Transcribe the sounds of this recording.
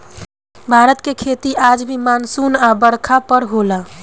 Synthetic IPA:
bʱaɾət̪kekʰet̪iʔad͡ʒbʱimansunabəɽkʰapəɾɦola

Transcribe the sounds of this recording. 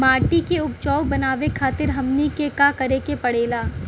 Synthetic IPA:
maːɾʈikeʊpt͡ʃɔːwbɐnaːʋekʰaːt̪ɪɾɦɐmnikekakɐɾekepɐɽeːlaː

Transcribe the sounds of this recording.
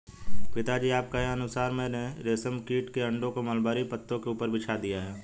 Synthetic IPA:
pɪt̪ad͡ʒiaːp̚kaɦeɐnʊsaːɾmẽneɾeːsəmkiːʈkeɐ̃ɳɖõkoməlbaːɾipət̪ːõkeuːpəɾbʱɪt͡ʃʰad̪ijaɦɛː

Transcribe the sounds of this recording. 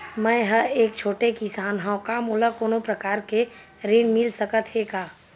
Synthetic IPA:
mɛ̃jɦəeːkt͡ʃʰoːʈekɪsaːnɦãʊkamuːləkoːnopɾəkaːɾke | ɾiːnmɪlsəkət̪ɦeːkaː

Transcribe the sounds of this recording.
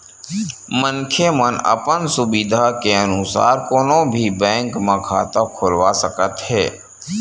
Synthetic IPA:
mənkʰemənə̰pənsʊbid̪ʱakeənʊsa̰ːɾkoːnõbʱibɛ̃ːŋkmãkʰa̰ːt̪akʰʊlwasəkət̪ɦɛː

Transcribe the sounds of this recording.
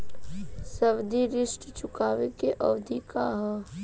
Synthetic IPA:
sɐʋd̪ʱiɾɪʃʈt͡ʃʊkaːʋekeʔɐʋd̪ʱikaɦɛ

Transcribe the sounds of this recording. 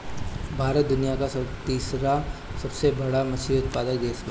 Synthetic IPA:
bʱaːɾət̪̚d̪ʊnijakasɐt̪iːsɾasɐbsebɐɽamɐsiʊt̪̚paːd̪ək̚d̪eːsma

